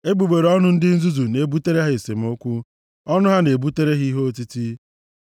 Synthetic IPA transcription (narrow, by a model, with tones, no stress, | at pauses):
e˦ɡ͡bu˨ɡ͡be˨ɾɔ˦nʊ˦n̩˦dɪ˦n̩˦zu˦zu˨ne˨bu˦te˦ɾe˦ɦɪ˨se˨m̩˨˦ʊ˦kʷu˦ | ɔ˦nʊ˦ɦa˦ne˨bu˦te˦ɾe˦ɦi˦ɦo˦ti˦ti˦